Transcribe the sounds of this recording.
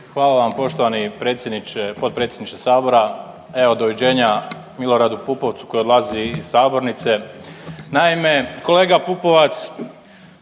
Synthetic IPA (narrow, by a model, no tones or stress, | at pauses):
xʋaːlaʋampo̞ʃt̪oʋanipɾeːt̪sjed̪nit͡ʃepod̪̚pɾet̪sʲjed̪nit͡ʃt̪esaːbo̞ɾa | eod̪oʋid͡ʑe̞ːɲa | milo̞ɾad̪upupo̞ʋt̪su̥kojod̪lˠaziːz̥saːbo̞ɾnit̪se̞ | naime̞ko̞le̞ːɡapupo̞ʋat̪s